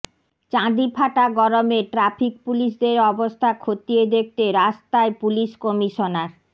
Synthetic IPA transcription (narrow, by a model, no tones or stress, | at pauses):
t͡ɕãd̪ipʰaʈaɡɔɾomeʈɾapʰik̚puliʃ̬d̪eɾɔbost̪ʰakʰot̪ied̪ek̚t̪eɾast̪aepuliʃkomiʃonaɾ